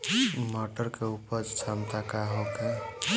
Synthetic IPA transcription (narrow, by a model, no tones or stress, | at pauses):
mɔʈəɾkeupəd͡ʒt͡ʃʰamt̪akaɦoke